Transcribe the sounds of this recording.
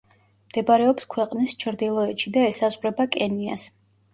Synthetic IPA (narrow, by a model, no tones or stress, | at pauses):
md̪̥ɛbɾɛɔpskʰwɛqʼnist͡ʃʰɾd̪ilˠɔɛt̪ʃid̪aɛsazʁɾɛbakʼɛnia̰s